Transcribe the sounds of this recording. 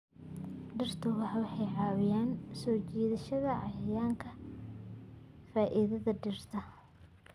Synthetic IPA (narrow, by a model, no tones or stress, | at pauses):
ɖɪrt̪ʰʊwɑħwɑħɑjʕɑːwɪjaːnsɔːt͡ʃiːðɐʃɐðɐʔɑjɐjaːŋkʰɐ | faːʔiðɐðɐɖɪrt̪ʰɐ